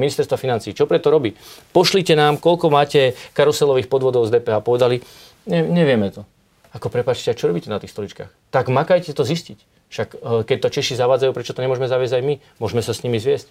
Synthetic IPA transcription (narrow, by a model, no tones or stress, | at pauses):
minist̪ɛɾst̪ʋafinant͡siːt͡ʃɔpɾɛt̪ɔɾɔbipɔʃlicɛnaːmkɔʎkɔmaːcɛkaɾɔsɛlɔʋiːxpɔd̪ʋɔd̪ɔʊzd̪ɛːpɛːɦaːpɔʋɛd̪ali | ɲɛɲɛʋɪɛmɛt̪ɔ | akɔpɾɛpaːt͡ʃcɛat͡ʃɔɾɔbiːcɛnat̪iːxst̪ɔlit͡ʃka̰ːxt̪aɡmakajcɛt̪ɔziscic | fʃakkɛc̚t̪ɔt͡ʃɛʃizaʋaːd͡zajuːpɾɛt͡ʃɔt̪ɔɲɛmʊɔʒɛmɛzaʋɪɛzɟajmi | mʊɔʒmɛsasɲimizʋɪɛsc